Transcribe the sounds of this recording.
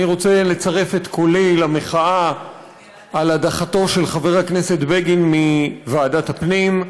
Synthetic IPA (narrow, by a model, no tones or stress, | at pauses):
iʁo̞t͡se̞le̞t͡saʁe̞fet̪kʰolilameχaa | aladaχato̞ʃe̞lχave̞ʁakne̞se̞tbeɡinmivaːdatapnim